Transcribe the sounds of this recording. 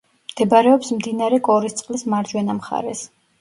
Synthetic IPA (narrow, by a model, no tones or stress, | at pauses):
md̪̥ɛbɾɛɔpsmd̪inaɾɛkʼɔɾist̪sʼqʼlismaɾd͡ʒwɛnamχa̰ɾɛs